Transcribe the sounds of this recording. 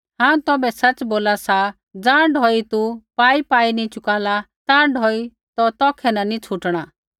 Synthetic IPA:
ɦãːũt̪ɔːbɛsɐt͡sboːlasa | d͡zãːɳɖʱɔːit̪upaːipaːinĩt͡ʃʊkaːla | t̪ãːɖʱɔːi | t̪ɔt̪ɔːkʰɛnɐnit͡ʃʰʊʈɽ̃a

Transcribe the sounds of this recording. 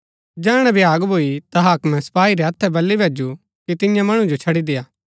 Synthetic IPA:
d͡ʒɛːɽ̃ɛ̃bʱɪjaːɡbʱoːit̪aɦaːkmɛ̃sɐ̥paːiɾɛɦɐt̪ʰːɛbɐlːibʱeːd͡ʒu | kit̪ɪjãmɐɽ̃ũd͡ʒot͡ʃʰɐɽid̪ɪjaː

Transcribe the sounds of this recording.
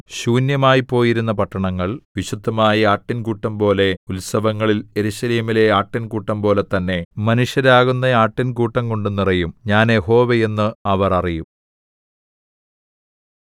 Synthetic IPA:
ɕuːnjɐmaːjipːo̞ːjiɾunːɐpɐʈːɐɳɐŋːɐɭʋiɕud̪ʱːɐmaːjɐaːʈːinkuːʈːɐmpo̞ːle̞ulsɐʋɐŋːɐɭile̞ɾuɕɐleːmile̞aːʈːinkuːʈːɐmpo̞ːle̞t̪ːɐnːe̞mɐnuʂjɐɾaːɣunːɐaːʈːinkuːʈːɐŋko̞ɳɖɨnirɐjumɲaːnjeho̞ːʋeenːɨɐʋɐrɐrijum

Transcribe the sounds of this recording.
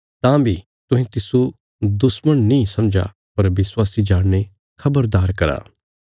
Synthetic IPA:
t̪ãːbʱi | t̪ʊ̃ɦẽt̪ɪsu | d̪ʊsməɽ̃nĩsɐmd͡ʒa̰ | pɐɾʋɪswaːsid͡ʒaːɽne | kʰɐbəɾd̪aːɾkɐɾa̰ː

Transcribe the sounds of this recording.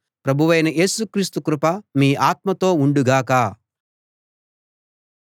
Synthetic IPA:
pɾɐbʱuʋɐjnɐʔe̞ːsukɾiːst̪ukɾupɐmiːʔaːt̪mɐt̪o̞ːuɳɖuɡaːkaː

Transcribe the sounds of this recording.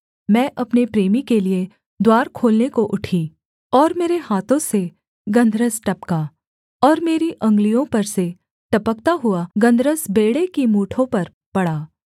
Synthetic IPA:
mɛ̃ːʔɐpnepɾeːmikelie | d̪waːɾkʰoːlnekoʔʊʈʰiː | ɔːɾmeːɾeɦaːt̪ʰõse | ɡɐ̃nd̪ʱɾəsʈɐpka | ɔːɾmeːɾiʔɐ̃ŋɡlijõpɐɾse | ʈɐpək̚t̪aɦʊaɡɐ̃nd̪ʱɾəsbeːɽekimuːʈʰõpɐɾ | pɐɽaː

